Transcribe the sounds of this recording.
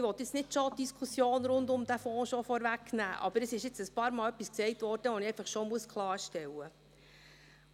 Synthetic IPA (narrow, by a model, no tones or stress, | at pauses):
ɪʋɔt̪jɪt͡snɪtʃod̥iskʰusjoːnɾʊndʊmdæfɔ̃ːʃɔfɔɾʋæknæ̰ːʔɑ̰b̥əɾəsɪʃɪt͡səspɑːɾmɑːlœpːisksɛɪk̚tʋɔrd̥əʋɔniɛɪfɑχʃɔmuəskʰlˠɑːɾʃtɛwə